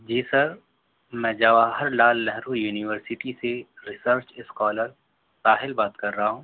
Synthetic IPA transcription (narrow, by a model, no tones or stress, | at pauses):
d͡ʒiːsɐɾ | mɛ̃ːd͡ʒaːʋaːɦɐɾlaːlːɛɦɾujuːnɪʋəɾsɪʈiseɾɪsəɾt͡ʃɪskɔːləɾ | saːɦɪlbaːt̪kɐɾːɐɦaɦũː